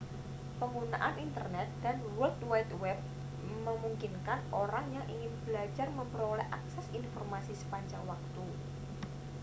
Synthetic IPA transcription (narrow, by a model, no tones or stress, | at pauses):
pəŋɡuna̰ʔanʔint̪ərnɛt̪̚d̪̥a̤nwʊlt̪wat̪wɛp̚ | məmuŋkinkanoɾaŋjaŋʔiŋɪnb̥əlḁd͡ʒarməmbəɾolɛhʔaksɛsinfɔrmasisə̥paɲd͡ʒaŋwak̚t̪u